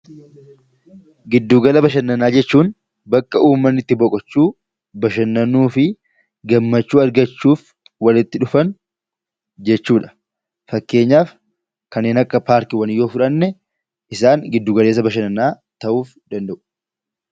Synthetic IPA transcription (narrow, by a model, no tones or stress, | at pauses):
ɡɪd̪ːuːɡɐlɐbɐʃɐnːɐnaːd͡ʒɛt͡ʃːuːn | bɐkːɐuːmːɐnːɪt̪ːɪbɔkʼɔt͡ʃːuː | bɐʃɐnːɐnuːfɪ | ɡɐmːɐt͡ʃːuːɐɾɡɐt͡ʃːuːf | wɐlɪt̪ːɪᶑʊfɐn | d͡ʒɛt͡ʃːuːᶑɐ̥ | fɐkːe̞ːɲːaːf | kɐnːeːnɐkːɐpaːɾkɪwɐnɪjːo̞ːfʊᶑɐnːɛ | ʔɪsaːŋɡɪd̪ːuːɡɐle̞ːs̬ɐbɐʃ̬ɐnɐnaː | t̪ɐʔuːf | d̪̥ɐnd̪ɐʔʊ̥